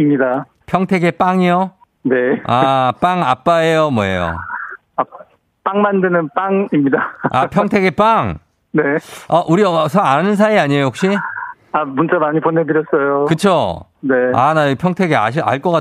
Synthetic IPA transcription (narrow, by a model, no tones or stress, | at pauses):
imɲida | pʰjʌŋtʰeɡe̞p͈aŋijo | ne̞ap͈aŋap͈aejomwʌḛjo̰ | a | p͈aŋmandɯnɯnp͈aŋimɲidaapʰjʌŋtʰeɡe̞p͈aŋ | ne̞ʌʔuɾiʌsʰʌanɯnsʰaiaɲjojok̚ɕ͈i | amunt͡ɕ͈amaɲiponedɯɾjʌs͈ʌjokɯt͡ɕʰo | nea̰naipʰjʌŋtʰeɡea̰ɕ̬ia̰ɭk͈ʌk͈a